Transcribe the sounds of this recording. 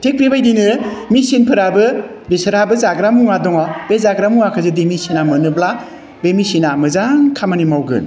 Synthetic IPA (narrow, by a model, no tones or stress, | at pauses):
tʰek̚bibajdinɯmisinpʰɯɾabɯ | bisɾabɯzaɡɾamuŋadɔŋɔbezaɡɾamuŋakʰɯzɯdemisinamɯnɯbla | bemisinamɯzaŋkʰamanimawɡɯ̰n